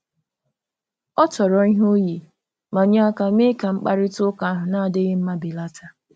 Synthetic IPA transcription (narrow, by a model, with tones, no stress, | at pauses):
ɔ˦tɔ˨ɾɔ˨i˦ɦo˦ji˨ | ma˨ɲa˦a˦ka˦me˦ka˨ŋ͡m̩˦k͡pa˦ɾɪ˦tʊ˦ka˨a˦ɦʊ˨na˦a˨dɪ˦ɣɪ˦m̩˦ma˦bi˨la˦ta˨